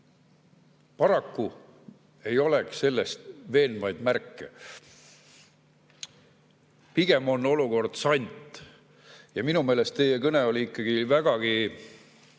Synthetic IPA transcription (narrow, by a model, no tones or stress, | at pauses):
pɑɾɑkːu | e̞jo̞le̞ksse̞lːe̞st̪ve̞ːnvɑjd̪̥mærkːe̞̰ | piɡ̥e̞mo̞nːo̞luko̞rd̪̥sɑnʲt̪ˑ | jɑminume̞ːle̞st̪ːe̞jekɤne̞o̞lʲiikːˑɑɡ̥ivæɡ̥ɑɡ̥i